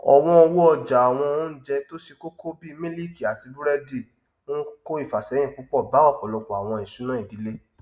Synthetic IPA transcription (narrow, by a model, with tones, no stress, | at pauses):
ɔ̰˨w̃ɔ̃˧wu˦ɔ˧d͡ʒa˨a˨w̃ɔ̃˧o˦d͡ʒɛ˧to˦ʃe˧ko˦kʰo˦bi˦˧mĩ˦li˦˨ki˨a˨ti˧bu˦ɾɛ˦di˦˨ | wõ˦ko˦i˦˨fa˨sɛ˨˦j̃ĩ˦˨k͡pu˨˦k͡pɔ˦˨ba˨˦ɔ˦˨k͡pɔ˨lɔ˧kɔ˨a˨w̃ɔ̃˧˨i˨su˨˦nã˦i˨di˨˦le˦